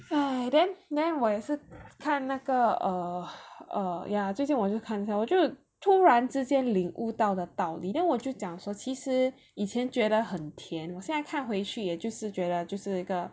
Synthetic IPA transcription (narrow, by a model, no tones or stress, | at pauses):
ad̪ɛnd̪ɛnwɔjɛʂɻ̩kʰannaɡəəʔəjat͡sweɪt͡ɕinwɔt͡ɕjoʊkʰaniɕjawɔt͡ɕjoʊ | t̪ʰuɻanʈ͡ʂɻ̩t͡ɕjɛnliŋʔṵt̪ɑʊd̪ət̪ɑʊlḭnanwɔt͡ɕjoʊt͡ɕjɑŋʂwɔt͡ɕʰiʂɻ̩ | it͡ɕʰjɛnt͡ɕɥɛd̪əxənt̪ʰjɛnwɔjɛnaɪkʰanxweɪt͡ɕʰyjɛt͡ɕjoʊʂɻ̩t͡ɕɥɛdət͡ɕjoʊʂɻ̩iɡə